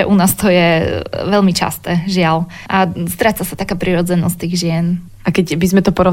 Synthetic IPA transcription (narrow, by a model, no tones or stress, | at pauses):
ɛʔunaːst̪ɔjɛʋɛlmit͡ʃa̰st̪ɛːʒɪal | ʔast̪ɾat͡sasat̪akaːpɾiɾɔd͡zɛnɔst̪iːɣʒɪɛn | ʔakɛcbizmɛt̪ɔpɔɾɔ